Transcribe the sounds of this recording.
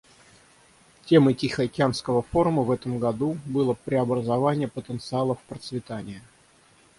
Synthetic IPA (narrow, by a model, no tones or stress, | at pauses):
tʲe̞mɨtʲixəkʲɪanskəvəfo̞ɾʊməvɛt̪əmɡɐd̪ubɨlˠəpɾʲɪɐbɾəzɐvanʲɪjəpət̪ənt̪sɨalˠəfpɾət̪svʲɪt̪anʲɪjə